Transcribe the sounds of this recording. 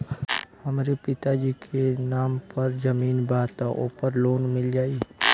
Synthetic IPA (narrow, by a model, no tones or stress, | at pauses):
hɐmɾepɪt̪ad͡ʒiːkʰenaːmpɐɾd͡ʒɐmiːnbaːt̪aʔo̰ːpəɾloːnmɪld͡ʒaːi